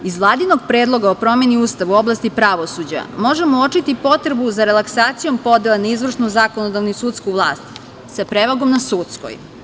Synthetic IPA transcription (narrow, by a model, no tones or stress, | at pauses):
izʋlˠaːd̪ino̞ɡpɾeːd̪lˠo̞ɡaopɾo̞me̞niuːst̪aʋuo̞blˠast̪ipɾaʋo̞sud͡ʑa̰mo̞ʒemoot͡ʃit̪ipo̞t̪ɾebuzaɾelˠaksaːt̪sijo̞mpo̞d̪elˠanaizʋr̩ʂnuzako̞nod̪aʋnusut̪skuʋlˠaːst̪ | sapɾeʋaɡo̞mnasut̪sko̰j